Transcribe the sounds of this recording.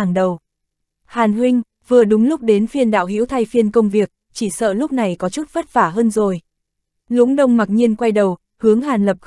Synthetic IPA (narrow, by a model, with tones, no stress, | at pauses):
ŋɗə˨˩w | haː˨˩nhwï˧ŋ̟ | vɨ˨˩əɗʊ˨˦ŋ͡mlʊ˦˥k͡p̚ɗe˨˦nfi˧ənɗa̰ː˧˨whḭ˧˥wt̪ʰa˧jfi˧ənkə˧wŋ͡mvi˨˩ək̚t͡ɕi˧˩sə̰ː˧˨lʊ˦˥k͡p̚na˨˩jkɔ˨˦t͡ɕu˦˥t̚fə˦˥t̚faː˧˩ɦəː˧nzo˨˩j | lṵ˧˥ŋɗə˧wŋ͡mmaː˨˩t̚ɲi˧ənkwa˧jɗə˨˩w | hɨ˨˦əŋɦaː˨˩nlə˨˩p̚